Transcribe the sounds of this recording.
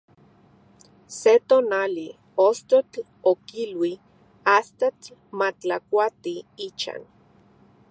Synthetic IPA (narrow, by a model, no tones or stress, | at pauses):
set̪oːnali | ost̪ot͡ɬ | okilwi | ast̪at͡ɬmat͡ɬakʷat̪iit͡ʃa̰n